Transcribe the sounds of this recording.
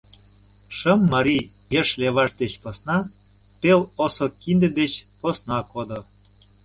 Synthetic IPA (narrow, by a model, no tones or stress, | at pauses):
ʃəmːɑɾi | jeʃleβɑʃd̪et͡ɕposnɑ | pelosokind̪ĕd̪et͡ɕposnɑkod̪o